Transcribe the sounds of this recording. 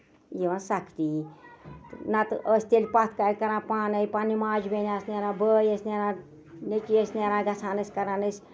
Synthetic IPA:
jiʋansɐkt̪iːt̪nɐt̪ɨʔəsʲt̪elʲpat̪ʰkaɾʲkɐɾãːpaːnɐjpaːnimaːd͡ʒbenʲaːsnʲeɾãːbəːjəsʲnʲeɾãː | net͡ʃiəsʲnaɾãːɡɐsʰãːnəsʲkɐɾanəsʲ

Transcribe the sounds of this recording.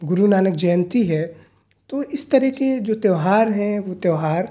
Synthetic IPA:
ɡʊɾunaːnəkd͡ʒɛːnt̪iɦɛː | t̪oɪst̪ɐɾɛked͡ʒoːt̪eːɦaːɾɦɛ̃ʋot̪eːɦaːɾ

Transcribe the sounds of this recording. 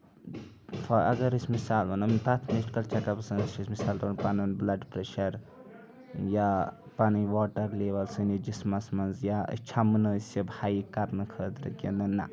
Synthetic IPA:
fʰɐɐ̰ɡɐɾisʲmisaːlbɐnɐmit̪at̪ʰmeʃʈkɐlt͡ʃɐkɐpsɐnɐsɐsmisaːlɾɐnpanɐnblɐɖpɾeʃɐɾ | ja | paniʋaːʈɐɾleːʋɐlsɨnid͡ʒismɐsmɐnzja̰t͡ʃʰɐmnɐsɐbʱaːjikɐɾnɨkʰəːt̪ɾɐ̰kʲḛnɐnːa̰

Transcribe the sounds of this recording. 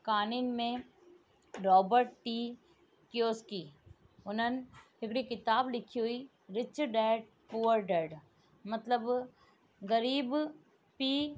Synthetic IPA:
kaːnɪnmẽ | ɾɔːbəɾʈʈiː | kjoːskiː | ʊnɦən | ɪkɽikɪt̪aːblɪkʰiɦʊi | ɾɪt͡ʃəɾɖɛːɖ̚ | puːʋəɾɖɛːɖ | mɐt̪ləb | ɣɐɾiːb | piː

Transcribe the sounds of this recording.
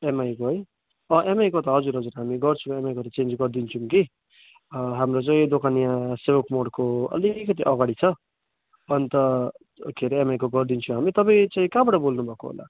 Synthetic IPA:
emajkoɦʌj | ʌʔemajkot̪ʌɦʌd͡zuɾɦʌd͡zuɾɦamiɡʌrt͡sʰũemajkot̪ʌt͡send͡zɡʌrd̪int͡sʰumki | ɦamɾot͡saĩd̪okʰanijãsebʌkmoɽkoʌ̰likʌt̪̬iʔʌɡaɽit͡sʰʌ | ʌnt̪ʌ | kʰeɾemajkoɡʌrd̪int͡sʰũɦamit̪ʌpaĩt͡saĩkabʌʈʌbolnubʱʌko̰ɦo̰la̰

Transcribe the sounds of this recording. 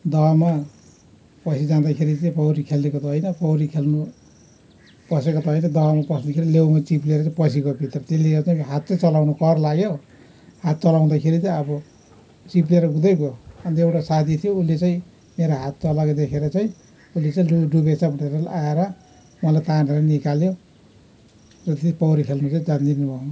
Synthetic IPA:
d̪ʌma | pʌsʰid͡zand̪akʰeɾit͡sʌpʌwɾikʰelːekot̪ɦʌjnʌpʌwɾikʰelnu | pʌsekot̪ʌɦʌjnʌd̪ʌmapʌsnekʰeɾilewmat͡sipleɾʌt͡sãpʌsikobʱit̪rʌt̪eleot͡saj̃ɦat̪̚t͡sat͡sʌlawnokʌrlaɡjo | hat̪̚t͡sʌlaw̃d̪akʰeɾit͡sʌʌbʌ | t͡sip̬leɾʌɡud̪ʌjbʱoʌnt̪ewʈasat̪ʰit̪ʰijoulːet͡saĩ | meɾoɦat̪̚t͡sʌlaked̪ekʰeɾʌt͡saĩ | ulːet͡saĩuɖubesabʱuʈeɾʌaeɾʌ | ualajt̪aneɾanikaljo | rʌt̪et̪ispʌwɾikʰelnut͡saĩd͡zand̪inubʱʌ

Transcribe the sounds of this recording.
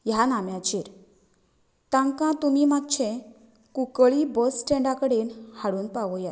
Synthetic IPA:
janamjãt͡ɕiːɾ | t̪ãŋkãt̪umimad̚t͡ɕʰẽ | kukəɭibəsːʈẽɳɖãkəɽenhaɽuːnpaʋoja

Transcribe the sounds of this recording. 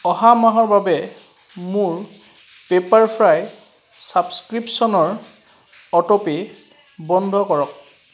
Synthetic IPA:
ɔɦamaɦɔɹbabɛ | muɹ | pepaɹpʰɹaj | sabskɹipsɔnɔɹ | ɔtɔpi | bɔndʱɔkɔɹɔk̚

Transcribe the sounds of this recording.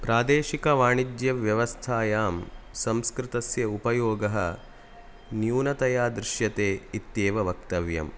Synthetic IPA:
pɾaːd̪eːʃikɐʋaːɳid͡ʒjɐʋjɐʋɐst̪ʰaːjaːmsɐ̃mskɾɪt̪ɐsjɐupɐjoːɡɐɦɐ̰ | njuːnɐt̪ɐjaːd̪ɾɪʃjɐt̪eːit̪jeːʋɐʋɐk̚t̪ɐʋjɐ̰m

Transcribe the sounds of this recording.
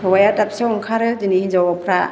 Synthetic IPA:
wajatap̚seɔŋkʰaɾɯdinihid͡ʒawapʰɾa

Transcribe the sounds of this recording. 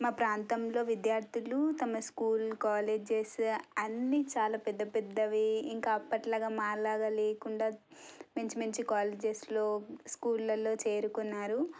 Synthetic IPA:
maːpɾaːnt̪ɐmlo̞ːʋid̪jaːɾt̪ilut̪ɐmɐskuːlkaːleːd͡ʒesɐnːiːt͡ʃaːlaːpɛd̪ːɐpɛd̪ːɐʋiiŋkaɐpːɐʈlaːɡaːmaːɾlaːɡɐleːkuɳɖaːmeɲt͡ʃimɐɲt͡ʃikaːleːd͡ʒeslo̞ːskuːlːɐlo̞ːt͡ʃe̞ːɾukunːaːɾu

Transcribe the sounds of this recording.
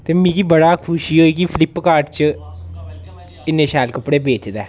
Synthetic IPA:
t̪eːmĩːkibəɽaːkʰʊʃiːɦoːiːkipʰɪlɪpːkaːɾʈt͡ʃə | ɪnːẽːʃɛːlkəpːɽeːbeːt͡ʃd̪ɛː

